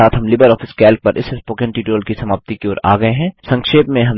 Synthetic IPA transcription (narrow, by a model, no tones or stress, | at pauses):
aːt̪ɦɐmlɪbəɾɔːfʰɪskɛːlk̚pɐɾʔɪ̰sspoːkẽɳʈiːʈoːlkisɐmaːp̚t̪ikeoːɾa̰ːɡɐeɦɛ̃ːsɐ̃ŋkʃeːpmẽɦɐm